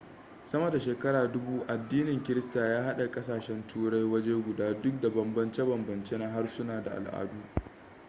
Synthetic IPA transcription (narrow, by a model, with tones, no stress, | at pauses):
sɐ˦mɐ˨da˨ʃeː˨kɐ˦ɽaː˨dʊ˦buː˦ʔa˨dːiː˦nɪ˨ŋkʲɪ˦ɾɪ˦staː˨jaː˦ɦa˦ɗa˨kʼɐ˦s̬aː˨ʃɛ˦ntʰuː˦ɽa˦jwɐ˦d͡ʒeː˦ɡʷʊ˨daː˦dʊ˦k̚da˨bɐ˨mbɐ˦nt͡ʃe˦bɐ˨mbɐ˨nt͡ʃe˦na˦ɦa˦rsʊ˦naː˨da˨ʔa̰˨lʔa̰ː˦˨duː˦